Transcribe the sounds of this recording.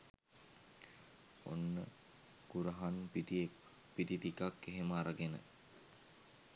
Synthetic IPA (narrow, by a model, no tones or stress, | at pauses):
o̰nːə̰ | ɡ̥uɾəɦanpi | pitit̪ikakːeɦemaːɾaɡenə̰